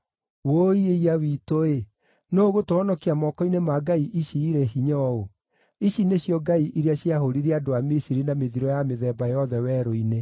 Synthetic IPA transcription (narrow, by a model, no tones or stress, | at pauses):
woieiawitoe | noːɣotoɔnɔkiamɔkɔinemaɡaiʔiʃiːɾeɦiɲɔo | iɕineɕjɔɡaiʔiɾeaɕjaɦoɾiɾeadoamisiɾinameðiɾɔjameðɛːbajɔðɛwɛɾoine